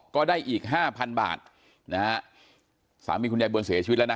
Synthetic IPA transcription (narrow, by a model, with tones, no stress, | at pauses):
kɔː˥˩daː˥˩jʔiː˨˩k̚ɦaː˥˩pʰa˧nba̰ː˨˩t̪̚ | na˦ | sa̰ː˩˦miː˧kʰu˧njaː˧jbu˧nsi˩˦t͡ɕi˧˦˥lːn˦˥